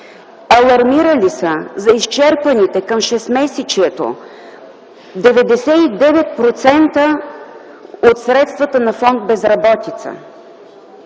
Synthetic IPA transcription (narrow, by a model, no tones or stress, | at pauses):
ɐlˠɐɾmiɾəlisəzɐist͡ʃɛɾpənit̪ɛkəmʃɛst̪mɛsɛt͡ʃiɛt̪o̰ | d̪ɛvɛd̪ɛsɛid̪ɛvɛt̪̚pɾot̪sɛnt̪ə | ot̪sɾɛt̪st̪vɐt̪ənɐfɔnd̪̚bɛzɾɐbɔt̪it̪sə̰